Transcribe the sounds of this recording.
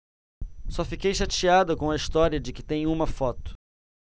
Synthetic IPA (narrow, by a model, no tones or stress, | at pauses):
sɔfikejʃat͡ʃiad̪ɐkõw̃ɐist̪ɔɾiɐd͡ʒɪkɪt̪ẽj̃ũmɐfɔt̪ʊ̥